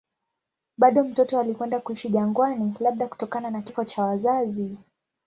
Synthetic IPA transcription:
ɓaɗɔm̩tɔtɔalikwɛndakuiʃiʄaŋɡwanilaɓ̚ɗaku̥tɔkananakifɔt͡ʃawazazi

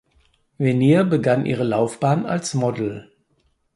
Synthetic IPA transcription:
veniːɐbəɡanʔḭːʁ̞əlaʊfb̥aːna̰lsmɔdl̩

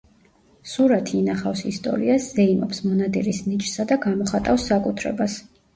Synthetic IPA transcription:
suɾat̪ʰiinaχafsist̪ʼɔ̰ɾḭaszɛimɔpsmɔnad̪iɾisnit͡ʃʼsad̪aɡamɔχat̪ʼafsːakʼut̪ʰɾɛ̰bas

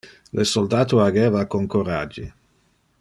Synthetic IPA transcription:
lʔesold̪aːt̪oaɡɛːvakoŋkoɾad͡ʒːi

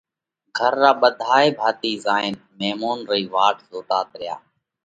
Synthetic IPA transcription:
ɡʱəɾːaːɓəd̪ʱaːeːbʱaːt̪iːzaːɪn | meːmoːnɾəiːʋaːʈʰzoːt̪aːt̪ɾɪja̰ː

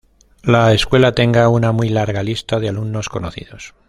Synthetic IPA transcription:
laeskwe̞lat̪e̞ŋɡaunamwijlaɾɣalist̪aðealumno̞sko̞noθḭðo̞s

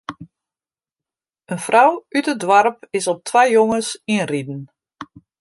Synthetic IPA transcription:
ənfrawytədwarpɪsɔp̚tʰʋajjoŋəsinridn̩

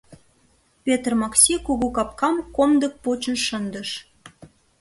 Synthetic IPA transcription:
pʲet̪rmɑksʲikuɣukɑp̚kɑmkomd̪ək̚pot͡ɕə̆nʃənd̪əʃ

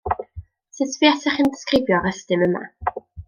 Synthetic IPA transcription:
sɨtʰviːɛsɛχəndɪskrɪvjɔɾəstɨməma̰

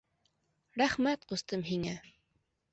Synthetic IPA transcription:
ɾæχmæt̪̚qust̪ɤmɦiŋæ

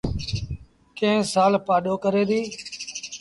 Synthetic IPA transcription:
kẽːsaːlpaːɗoːkəɾeːd̪iː

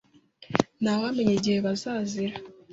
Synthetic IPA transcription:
naβame̞ɲeɟihe̞βazaːziɾa

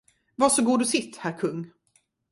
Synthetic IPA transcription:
vasɔɡuːd̪ɵsɪt̪ːhæɾkʰɵŋː

